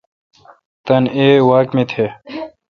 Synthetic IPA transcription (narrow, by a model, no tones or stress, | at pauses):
t̪ɐneːwaːkmet̪ʰeː